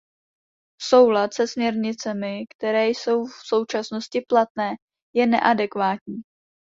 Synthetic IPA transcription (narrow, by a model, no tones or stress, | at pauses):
so̞wlat̪sɛsmɲɛɾɲɪt͡sɛmɪkt̪ɛɾɛːjso̞wfso̞wt͡ʃasno̞scɪplat̪̚nɛː | jɛnɛ̰ʔadɛkvaːt̪ɲiː